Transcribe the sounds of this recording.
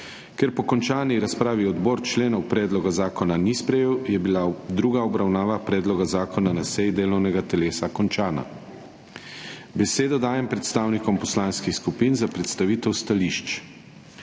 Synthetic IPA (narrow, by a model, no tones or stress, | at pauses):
kɛɾpɔkɔnt͡ʃaːniɾaspɾaːʋiɔd̪bɔːɾt͡ʃleːnɔwpɾɛːd̪lɔɡazaːkɔnanispɾɛjeːwjɛbilad̪ɾuːɡaɔbɾawnaːʋapɾɛːd̪lɔɡazaːkɔnanasɛjd̪eːlɔwnɛɡat̪ɛleːsakɔnt͡ʃaːna̰ | bɛseːd̪ɔd̪aːjɛmpɾɛt̪st̪aːwnikɔmpɔslaːnskixskupinzapɾɛt̪st̪aʋiːt̪ɛwst̪aliʃt͡ʃ